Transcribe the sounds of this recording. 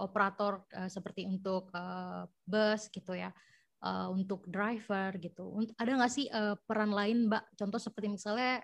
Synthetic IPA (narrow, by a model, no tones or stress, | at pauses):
ʔopəɾat̪ɔrəsəpərt̪iunt̪ʊk̚ə | bəsɡit̪uja | ʔə̰unt̪ʊk̚dɾajfərɡit̪unadaŋasɪhʔəpəɾanlaɪnbaʔt͡ʃɔnt̪ɔsəpərt̪imisalɲa